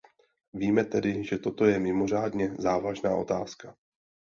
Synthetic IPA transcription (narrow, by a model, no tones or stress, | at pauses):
viːmɛt̪ɛdɪʒɛt̪o̞t̪o̞jɛmɪmo̞r̝aːdɲɛzaːvaʒna̰ːʔo̞̰t̪aːska